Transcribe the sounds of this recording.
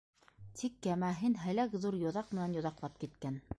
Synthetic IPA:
t̪ʰikːæmæɦɘnɦæ̆lækðuɾjŏðɑq̚mɘ̆nænjŏðɑqlˠɑp̚kit̪kæn

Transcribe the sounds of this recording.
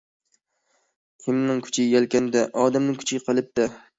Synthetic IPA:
kʲʰɪmnɪŋkʰʊ̥t͡ʃʰɪjʲalkʲanɪd̪aʔɒd̪amnɪŋkʰʊ̥t͡ʃʰɡʲɪqʰɨlˠɪp̚d̪ɪ

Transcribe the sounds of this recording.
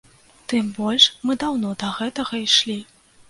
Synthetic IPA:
t̪ɨmbɔlʲʂmɨd̪awnɔd̪ɐɣɛt̪ɐɣɐiʂlʲi

